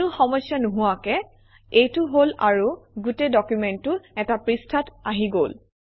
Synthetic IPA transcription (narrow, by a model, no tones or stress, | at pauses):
uxɔmɔjsjanuɦuwakɛ | ejtʊɦolaɹuɡutedɔkjumɛntːʊɛtapɹistʰataɦiɡol